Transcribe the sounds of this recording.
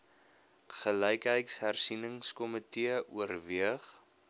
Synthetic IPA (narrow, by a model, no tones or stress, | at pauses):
χələjkɦəjtsɦærsinəŋskɔmətiəʔuərviəχ